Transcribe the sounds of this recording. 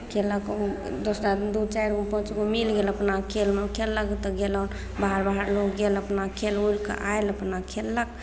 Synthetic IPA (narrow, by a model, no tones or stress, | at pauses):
kʰelək | d̪osɾad̪ut͡ʃajɾopə̃t͡ʃɡomilɡeləpnakʰelmekʰelːəkt̪əɡelən | baɦəɾbaɦəɾlokɡeləpnakʰelujlkə̰ʔajləpnakʰelːək